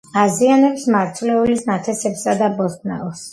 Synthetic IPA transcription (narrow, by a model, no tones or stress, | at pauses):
azianɛpsmaɾt̪ʰlɛulisnat̪ʰɛsɛpsad̪abɔskʰʼna̰ɔs